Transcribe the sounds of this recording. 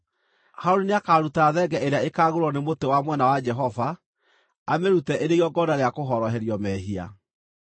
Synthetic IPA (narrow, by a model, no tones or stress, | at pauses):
haoɾineakaːɾutaðɛɡɛʔeɾeaekaːɣoɾɔnemotewamwɛnawad͡ʒɛɦɔva | ameɾutɛʔeɾeɣɔɡɔdaɾeakoɦɔɾɔɦɛɾjɔmɛɦia̰